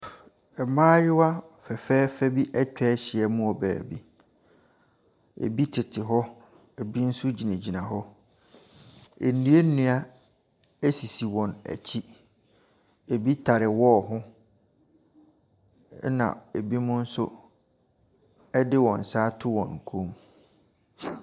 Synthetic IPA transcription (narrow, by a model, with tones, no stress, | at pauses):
ɛ˨mãː˦jɪ˦wa˦fɛ˨fɛː˦fɛ˦bi˦ʔɛ˦t͡ɕᶣɛ˦ɕɪ˨ɛ˨mʊ̃˦ɔ˨bæ̰ː˨bḭ˦ | ḛ˨bi˦tʰɪ˨tʰɪ˨ɦɔ˦ | e˨bi˦n̩˦sʊ˦d͡ʑi˨næ̃˨d͡ʑi˨nã˨ɦɔ˦ | e˨nĩ˨˦e˦nĩ˨a˦ | æ˦si˨si˨wɔ̃˨næ̰˨t͡ɕʰi˦ | e˨bi˦tʰa˨ɾɪ˨wɔ˦˨ɦʊ̃˦ | nã̰˨e˨bi˦mʊ̃˦n̩˦sʊ˦ | ɛ˦dɪ˦wɔ̃˨n̩˨saː˦tʰʊ˦wɔ̃˨n˨kʰõ˦m